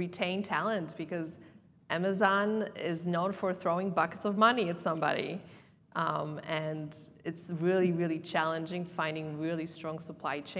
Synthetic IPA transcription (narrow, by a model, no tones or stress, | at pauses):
ɹitʰẽɪ̃ntʰælˠɨ̃ntb̥ɨkʌz | ʔæmɨzɑ̃nɪznõʊ̃nfə˞θɹoʊɪ̃ŋbʌkɨtsʌvmʌniɨtsʌ̃mbɑ̰ɾḭ | ʔɨ̃n | ɨtsɹɪlˠiɹɪlˠit͡ʃʰælˠɨ̃nd͡ʒɪ̃ŋfãɪ̃ndɪ̃ŋɹɪlˠistɹ̥ɔ̃ŋsəpʰl̥aɪt͡ʃʰẽ